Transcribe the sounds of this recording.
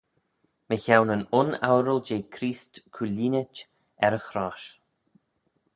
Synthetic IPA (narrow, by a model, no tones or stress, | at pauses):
məçawnənʊna̰wɾəld͡ʒeːkʰɾiːstkʰuliːnɪt͡ʃ | ɛɾəxɾaːʃ